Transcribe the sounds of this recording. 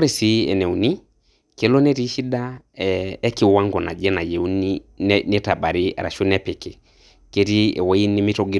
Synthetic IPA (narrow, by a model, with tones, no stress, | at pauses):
ɾi˨si˨ɛ̰˨nɛ˨u˨ni˦ | kɛ˨˦lɔ˦nɛ˦ɾi˦ʃi˦da˦ | ɛ˦kɪ˨wa˦ŋɡɔ˨na̰˨d͡ʒɛ˦na˨jɛ˨u˦ninɛ˦ta˨ɓa˨ɾḭ˦ɾa̰˨ʃo˦nɛ˦pɛ˨kɛ˨ | ke˦ɾi˦ɛ̰˨wa˦ji˦ni˦mi˦tɔ˦ɡi˦